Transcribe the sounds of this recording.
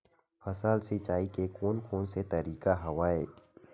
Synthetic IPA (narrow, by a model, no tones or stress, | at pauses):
fʰɐsaːlset͡ʃaːikekoːnkoːnset̪ɐɾiːkaɦɐwaːeː